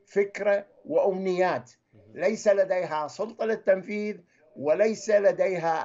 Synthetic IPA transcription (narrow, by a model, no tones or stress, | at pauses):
fɪkɾa | wɪʔamnɪjːaːt̪ | lajsalad̪ejɦasˤʊlt̪ˤɑlɪt̪ːamfiːð | wɪlajsalad̪eːɦa